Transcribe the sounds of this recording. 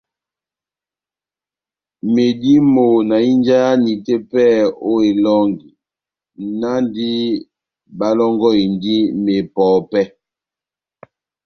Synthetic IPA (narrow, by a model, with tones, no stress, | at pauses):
me˨di˦mo˨na˨i˦nd͡ʒa˦ja˦ni˨te˦pɛ˦˨o˦e˨lɔ˦ŋɡi˨ | na˦ndi˦ | ba˦lɔ˦ŋɡɔ˦i˨ndi˦me˨pɔː˨˦pɛ˦